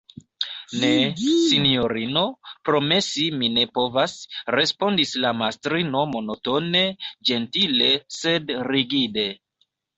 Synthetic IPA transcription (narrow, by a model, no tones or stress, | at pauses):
ne̞sinio̞ɾino̞pɾo̞me̞simine̞po̞vasɾe̞spo̞ndislamastɾino̞mo̞no̞to̞ne̞d͡ʒe̞ntile̞se̞dɾiɡide̞